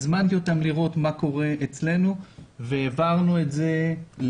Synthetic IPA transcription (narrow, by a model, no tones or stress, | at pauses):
zmant̪jot̪amliʁo̞t̪mako̞ʁe̞et͡sle̞nuveːvaʁnuetzel